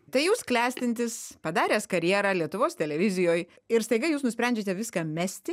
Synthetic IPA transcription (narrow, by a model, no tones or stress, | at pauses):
t̪ɐɪjuːsklʲæːsʲt̪ʲɪnʲt̪ʲɪspɐd̪ɑːɾʲeːskɐɾʲjiɛɾɑːlʲiɛt̪ʊʋoːst̪ʲɛlʲɛʋʲɪzʲɪjoːj | ɪɾst̪ɐɪɡɐɪjuːsnʊsʲpʲɾʲɛnʲd͡ʒʲet̪ʲɛʋʲɪskɑːmʲæːsʲt̪ʲɪ